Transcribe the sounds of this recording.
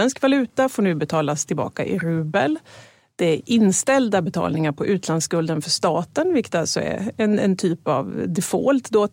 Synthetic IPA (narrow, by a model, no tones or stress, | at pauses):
ɛnskvalʉ̟ːt̪afoːɳʉ̟ːbɛt̪ʰɑːlast̪ʰɪlbɑ̰ːka̰ʔɪ̰ɾʉ̟ːbəl | d̪̥ɛæɾʔɪnːst̪ɛld̪abɛt̪ʰɑ̰ːlnɪŋaɾpʰɔʔʉ̟ːt̪ʰlanskɵld̪ənfœʂt̪ɑːt̪ənvɪkt̪alsɔɛ̰ɛnɛ̰nt̪ʰyːpa̰vd̪ɛfɔ̰lt̪d̪o